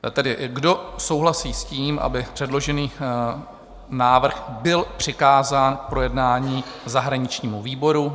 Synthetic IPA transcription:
t̪ɛdɪɡdo̞sowɦlasiːsciːmʔa̰bɪpr̥ɛdlo̞ʒɛniː | naːvr̩xbɪlpr̝̥ɪkaːzaːnkpɾo̞jɛdnaːɲiːzaɦɾaɲɪt͡ʃɲiːmuviːbo̞ɾu

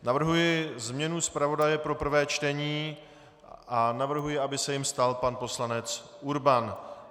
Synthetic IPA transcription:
navr̩ɦujɪzmɲɛnuspɾavo̞dajɛpɾo̞pr̩vɛːt͡ʃt̪ɛɲiː | ʔanavr̩ɦujɪabɪsɛjɪmst̪alpanpo̞slanɛt͡sʔuɾban

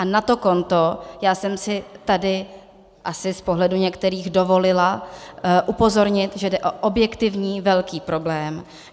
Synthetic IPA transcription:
ʔanat̪o̞ko̞nt̪ojaːsɛmsɪt̪adɪ | ʔasɪspo̞ɦlɛduɲɛkt̪ɛɾiːɣdovo̞lɪla | ʔupo̞zo̞ɾɲɪt̪ʒɛdɛʔoʔobjɛkt̪ɪvɲiːvɛlkiːpɾo̞blɛːm

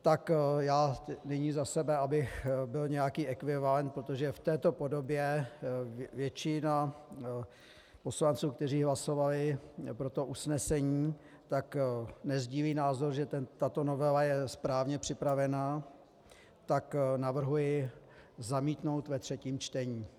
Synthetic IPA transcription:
t̪akjaːnɛɲizasɛbɛabɪxbɪlɲɛjakiːʔɛkvɪvalɛnt̪̚pɾo̞t̪o̞ʒɛft̪ɛːt̪o̞po̞do̞bjɛ | vjɛt͡ʃɪna | po̞slant͡suːk̚t̪ɛr̝iːɦlaso̞valɪpɾo̞t̪o̞ʔusnɛsɛɲiː | t̪aknɛzɟiːliːnaːzo̞ɾʒɛt̪ɛt̪at̪o̞no̞vɛlajɛspɾaːvɲɛpr̝̥ɪpɾavɛna | t̪aknavr̩ɦujɪ | zamiːt̪no̞wt̪vɛt̪r̥ɛciːmt͡ʃt̪ɛɲiː

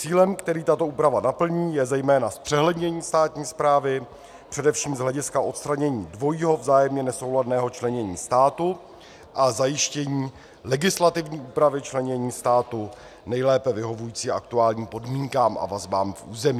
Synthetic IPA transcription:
t͡siːlɛmkt̪ɛɾiːt̪at̪o̞ʔuːpɾavanapl̩ɲiːjɛzɛjmɛːnaspr̥ɛɦlɛdɲɛɲiːst̪aːt̪ɲiːspɾaːvɪ | pr̝̥ɛdɛfʃiːmzɦlɛɟɪskaʔo̞t̪st̪ɾaɲɛɲiːdvo̞jiːɦo̞vzaːjɛmɲɛnɛso̞wladnɛːɦo̞t͡ʃlɛɲɛɲḭːst̪aːt̪u | ʔazajɪʃcɛɲiː | lɛɡɪslat̪ɪvɲiːʔuːpɾavɪt͡ʃlɛɲɛɲiːst̪aːt̪u | nɛjlɛːpɛvɪɦo̞vujiːt͡siːʔa̰k̚t̪uaːlɲiːmpo̞dmiːŋkaːmʔa̰vazbaːmfʔuːzɛmiː

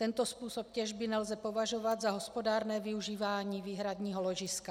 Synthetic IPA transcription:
t̪ɛnt̪o̞spuːso̞p̚cɛʒbɪnɛlzɛpo̞vaʒo̞vad̪zaɦo̞spo̞daːɾnɛːvɪuʒiːvaːɲiːviːɦɾadɲiːɦolo̞ʒɪska

